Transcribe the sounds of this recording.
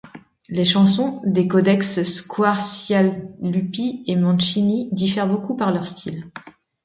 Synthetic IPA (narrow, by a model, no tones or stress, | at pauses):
leʃɑ̃sɔ̃d̪ekɔd̪ɛksskʰwaʁsjalːypiemɑ̃ʃinid̪ifɛʁbokupaʁlœʁst̪ʰil